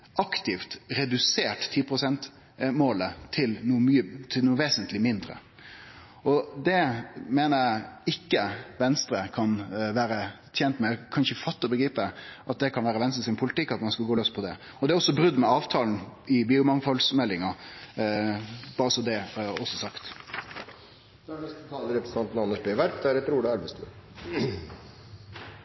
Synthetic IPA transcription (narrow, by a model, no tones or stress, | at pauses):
ʔɑkt̪ɪft̪ɾɛd̪ʉseːʈt̪ʰːiːpʰɾʊsɛnt̪ | moːlət̪ʰɪlnumyːət̪ʰɪlnuːʋeːsənt̪ʰlɪmɪnd̪ɾə̰ | ɔd̪ɛmeːnəæɪkːəʋɛnst̪ɾəkʰɑnʋæːɾət̪ʰjɛnt̪mɛkʰɑnʃəfɑt̪ːɔbəɡɾiːpəʔɑt̪̚d̪ɛkʰɑnʋæːɾəʋɛnst̪ɾəsɪnpʰʊlɪt̪ɪkːɑt̪mɑnskɑlɡoːløːspʰɔd̪ɛ | ɔd̪ɛæɾɔsːɔbɾʉd̪mɛɑːʋt̪ʰɑːln̩ɪbyːʊmɑŋfɔlsmɛlːɪŋɑ | b̥ɑːɾəsɔd̪ɛɔsːɔsɑkt̪ | d̪ɔnɛst̪ət̪ʰɑːləɾɛpɾsn̩t̪ɑnt̪n̩ɑnːəʂbeʋæɾʈ̚d̪ɛæɾɛt̪ɾuːɽəæɾʋəst̪ʰʉ